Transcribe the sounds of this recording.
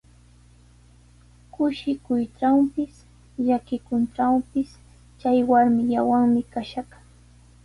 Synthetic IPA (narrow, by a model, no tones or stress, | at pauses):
kʊʃɪkʊjʈ͡ʂawpɪs | ʎakɪkʊnʈ͡ʂawpɪs | t͡ʃajwaɾmɪʎawaŋmɪkaʃaχ